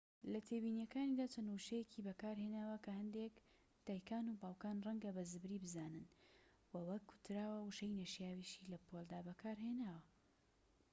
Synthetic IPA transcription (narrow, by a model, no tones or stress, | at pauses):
lɐt̪ʰeːbiːnjɛkaːnid̪aːt͡ʃʰɐnuʃɐjecʰibɐkaːɾheːnaːwɐkɐhɐnd̪ek | d̪̥aːjkaːnubaːwkaːnrɐŋɡɐbɐzɨbɾiːbɨzaːnɨn | wɐwɐkʰːʊ̥t̪ɾaːwɐwuʃɐjnɐʃjaːwiʃilɐpʰolˠd̪aːbɐkʰaːɾɦenaːwɐ